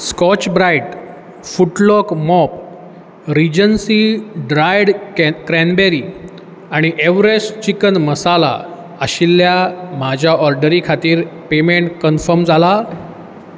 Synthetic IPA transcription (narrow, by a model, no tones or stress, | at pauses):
skɔt͡ɕbɾaiʈ | fuʈlɔkmɔp | ɾid͡ʑənsiɖɾajɽkɾɛnbeɾi | aɽ̃iʔeʋɾest͡ɕikənməsala̰ | əɕilːjamad͡ʑʱjaɔɾɖəɾikʰat̪iːɾpemeɳʈkənfəɾmd͡zʱala